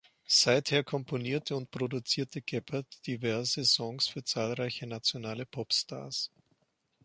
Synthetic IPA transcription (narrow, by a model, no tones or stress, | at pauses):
z̥aɪtheːɐkʰɔmpʰoniːɐtʰəʊntpʁ̥odut͡siːɐtʰəɡ̥ɛpʰɐtd̥ivɛɐzəzɔŋsfyːɐt͡saːlʁaɪçənat͡sjonaːləpʰɔpstʰa̰ːɐs